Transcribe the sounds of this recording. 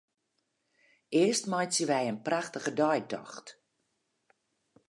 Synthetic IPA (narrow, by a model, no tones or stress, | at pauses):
ɪəstmajsjəʋɛjənpraxtəɣədœjk̚dɔ̰xt